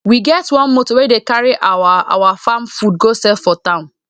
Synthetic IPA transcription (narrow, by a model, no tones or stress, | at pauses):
wiɡɛtwɔ̃nmotowedekaɹiʔawaa̰wafamfud̚ɡosɛfɔtãʊ̃n